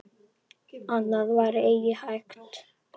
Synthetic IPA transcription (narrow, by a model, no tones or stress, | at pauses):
anːaðvaɾeːjjɪhajkt̪